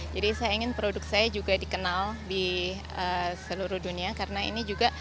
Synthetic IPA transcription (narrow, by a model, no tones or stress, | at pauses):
d͡ʒadisajaiŋɪnpɾodʊk̚sajad͡ʒuɡadikənaldi | əsəluɾʊhduniakaɾənaḭnid͡ʒuɡaʔ